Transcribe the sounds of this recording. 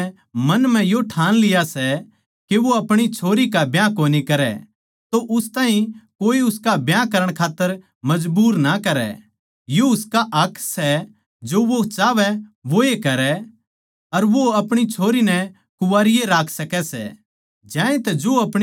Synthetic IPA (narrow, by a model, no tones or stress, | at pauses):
mɐnm̤ɛ̃joʈʰaːnlɪjasɛ | keʋoɐpɽ̃it͡ʃʰoːɾikabjãkoːnikɐɾɛ̰ | t̪oʔʊst̪aːɦĩkoːiʊskabjãkɐɾəɽ̃kʰaːt̪ːəɾ | mɐd͡ʒbuːɾnakɐɾɛ̰ | joʊskaʔɐkʰsɛ | d͡ʒoʋot͡ʃaːʋɛʋoekɐɾɛ | ɐɾʋoɐpɽ̃it͡ʃʰoːɾinɛ | kʊʋaːɾɪjeɾaːkʰsɐkɛsɛ̰ | d͡ʒãːẽt̪ɐd͡ʒoːɐpɽ̃